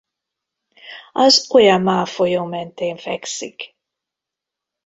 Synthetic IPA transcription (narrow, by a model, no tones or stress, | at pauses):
ɒzo̞jɒmmaːfojoːmɛnt̪eːɱfɛksik